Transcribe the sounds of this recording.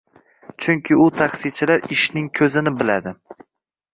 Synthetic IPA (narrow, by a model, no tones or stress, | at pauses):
t͡ʃʰʊŋkʲʰɪʊt̪ʰaχsit͡ʃʰɪlaɾɪʃnɪŋkʲʰɵzɪnɪbɪlad̪ɪ